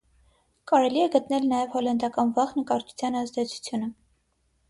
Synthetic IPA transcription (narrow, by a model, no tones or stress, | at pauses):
kɑɾɛliɛɡət̪nɛlnɑjɛvhɔlɛnd̪ɑkɑnvɑʁnəkɑɾt̪ʰu̥t͡sʰjɑnɑzd̪ɛt͡sʰu̥t͡sʰjunə